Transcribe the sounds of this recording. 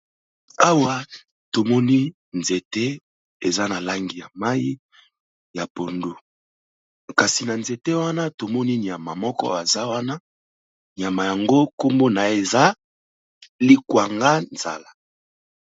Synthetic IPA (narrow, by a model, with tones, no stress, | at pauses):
a˦wa˦ | to˨mɔ˦ni˦ | nze˨te˦ | e˨za˦na˨la˦ŋɡi˨ja˨ma˦ji˦ | ja˨po˨ndo˨ | ka˨si˨na˨nze˨te˦wa˦na˦to˨mɔ˦ni˦ni˨a˨ma˨mɔ˦kɔ̰˦a˨za˦wa˦na˦ | ni˨a˨ma˨ja˨ŋɡo˦ko˦mbo˦na˨e˨za˦ | li˦kwa˨ŋɡa˦nz̥a̰˨la˨